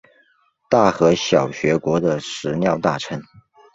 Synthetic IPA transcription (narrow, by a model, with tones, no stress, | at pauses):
t̪a˥˩xɤ˧˥ɕjɑ˨˩ʊɕɥɛ˧˥kwɔ˧˥d̪ə˨ʂɻ̩˧˥njɑ˥˧ʊt̪a˥˩ʈ͡ʂʰə˧˥ŋ